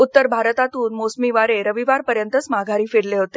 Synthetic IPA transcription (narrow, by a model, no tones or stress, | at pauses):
ut̪ːəɾbʱaɾət̪at̪uːnmosmiʋaɾeɾəʋiʋaɾpəɾjənt̪əsmaɡʱaɾiːfeɽleɦot̪e̥